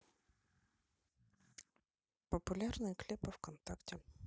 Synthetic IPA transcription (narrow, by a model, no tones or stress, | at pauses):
pɔpʊlʲarnɪjklʲɪpɐwkɔnt̪aktʲɛ